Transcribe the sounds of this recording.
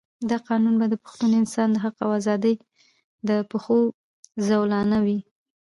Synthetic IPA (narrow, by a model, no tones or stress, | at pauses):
d̪ɑqɑnunbad̪əpʊ̥xt̪unoɪnsɑnd̪əɦaqawazɑd̪əj | d̪əpəxo | zawlɑnawi